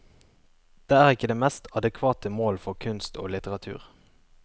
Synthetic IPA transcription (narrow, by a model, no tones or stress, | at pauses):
d̪̥eːæːʁɪkːəd̪eːmɛst̪ɑd̪əkʰʋɑːt̪əmoːlfɔʁkʰʉnst̪ʰo̰ːlɪt̪əʁɑt̪ʰʉ̰ːʁ